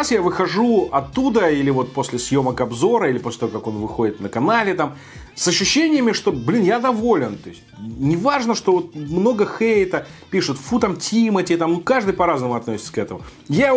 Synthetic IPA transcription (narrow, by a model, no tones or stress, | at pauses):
asjavɨxɐʐuɐt̪ːud̪əilʲɪvo̞t̪̚po̞sʲlʲɪsjo̞məkɐbzo̞ɾəilʲɪposʲlʲɪt̪ɐvokako̞nvɨxodʲɪt̪nəkɐnalʲɪt̪am | sɐɕːʉɕːenʲɪjɪmʲɪʂt̪o̞blʲinjad̪ɐvo̞lʲɪnt̪o̞ɪsʲtʲnʲɪvaʐnəʂt̪o̞vo̞t̪̚mno̞ɡəxejt̪əpʲiʂɨt̪fut̪amtʲimətʲit̪amnukaʐd̪ɨjpɐɾaznəmʊɐt̪nosʲɪt̪sə̥kɛt̪əmʊ̰ja